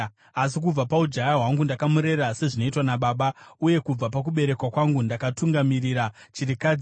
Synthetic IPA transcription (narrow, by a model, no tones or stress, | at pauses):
as̬ik̬ub͡vapaud͡ʒajaɦwaŋɡundakamuɾe̞ɾase̞ʐino̞itwanaɓaːɓauje̞kub͡vapak̬uɓe̞ɾe̞kwakwaŋɡundakatuŋɡamiriɾa | t͡ʃiɾika